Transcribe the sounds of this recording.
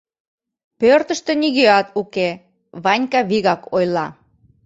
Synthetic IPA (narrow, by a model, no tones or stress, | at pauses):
pørt̪ə̆ʃt̪ĕniɣøɑt̪uke | βɑnʲkɑβiɣɑkʰojlɑ